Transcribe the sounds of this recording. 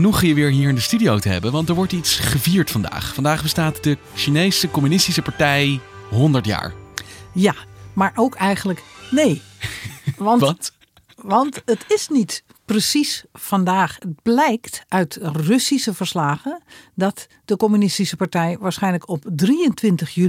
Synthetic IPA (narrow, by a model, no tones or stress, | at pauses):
nyχajəʋɪːɹɦiːɹɪndəstydiowtəɦɛ̰bənʋɑntdɛɹʋɔɹtitsχəviːɹtfɑnda̰ːχfɑndaːχbəstaːtdə | ʃinejsəkɔmynɪstisəpaɹtɛjɦɔndəɹtja̰ːɹjamaɹʔowkʰɛjɣənləkneː | ʋn | ʋɑntətɪsnit | prəsisfɑndaːχət̚blɛjktʔœɥtrɵsisəvəɹslaːχədɑt | d̥əkɔmynɪstisəpaɹtɛjʋaːɹsχɛjnləkɔp̚driəntʋɪntəχjy